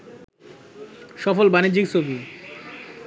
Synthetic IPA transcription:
ʃɔfolbanid͡ʑikt͡ɕʰobi

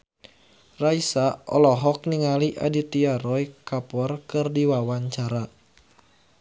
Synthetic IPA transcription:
raisaʔɔ̰lɔɦɔk̚niŋaliʔa̰dit̪iaɾɔjkapɔrkɨrdiwawaɲt͡ʃaɾa

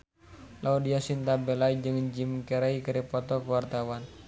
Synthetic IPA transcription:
laudiasint̪abɛlaid͡ʒɨŋd͡ʒimkəɾaikəɾipɔt̪ɔkuwart̪awan

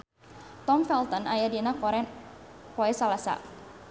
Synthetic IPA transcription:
t̪ɔmfɛlt̪ɔnajadinakɔɾɛpɔɛsalasa̰

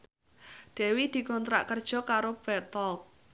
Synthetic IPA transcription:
d̥ɛ̤wid̪̥i̤kɔnt̪ɾa̰ʔkərd̥ʒ̥ɔ̤kaɾob̥ɛt̪ɔlk̚

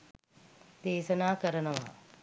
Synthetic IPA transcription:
d̪̥eːʃɐnaːkɐɾɐnɐʋa̰

